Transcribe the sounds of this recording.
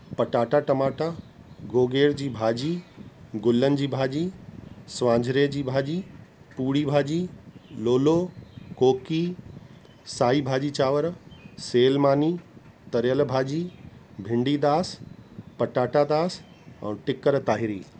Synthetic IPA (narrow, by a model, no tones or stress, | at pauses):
pɐʈaːʈaʈɐmaːʈa | ɡoːɡeːɽd͡ʑiːbʱaːd͡ʑiɡʊlːənɪ̆d͡ʑiːbʱaːd͡ʑiːsʋãːɲd͡ʑʱɾed͡ʑiːbʱaːd͡ʑiː | puːɽibʱaːd͡ʑiːloːlokoːki | saːibʱaːd͡ʑiːt͡ɕaːʋəɾseːlmaːni | t̪ɐɾjəlbʱaːd͡ʑibʱɪ̃ɳɖiːd̪aːspɐʈaːʈad̪aːs | ɛ̰̃ːʈɪkəɾt̪aːɦɪɾḭː